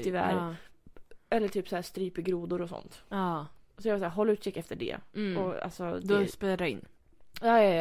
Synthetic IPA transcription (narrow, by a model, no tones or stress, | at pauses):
t̪ʰɪvæ̰ɾ | ɛlːəʈʰyːpsɔhæːst̪ɾyːpɪɡɾuːd̪ʊɾɔsɔ̰nt̪ɑsɔjɑɡvɑsæːɾɦɔlːʉt̪ɕɛkːɛft̪əɖɛ̰ɔa̰lsɔd̪spɛɾaɪ̰nː | jɑːjɑ